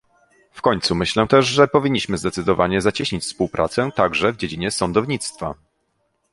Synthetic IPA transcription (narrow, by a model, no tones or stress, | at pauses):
fkɔɲt̪sumɘɕlɛ̃t̪ɛʐʐɛpɔvʲiɲːiɕmɘzd̪ɛt̪sɘd̪ɔvaɲɛzat͡ɕiɕɲit͡ɕfspuwpɾʔa̰t̪sɛt̪aɡʐɛvd͡ʑed͡ʑiɲɛsɔnd̪ɔvɲit̪st̪fa̰